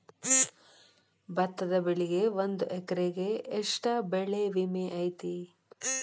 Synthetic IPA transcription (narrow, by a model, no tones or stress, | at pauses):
bɐt̪ːɐd̪ɐbeɭiɡe̞ʋond̪uʔekɐɾeɡe̞ːʂʈɐbeɭeʋimeʔɐjt̪i